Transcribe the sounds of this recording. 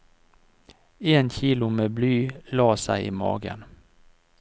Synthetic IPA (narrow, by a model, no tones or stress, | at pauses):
eːnçiːlʊmeːblyːlɑːsæɪʔḭːmɑ̰ːɡə̰n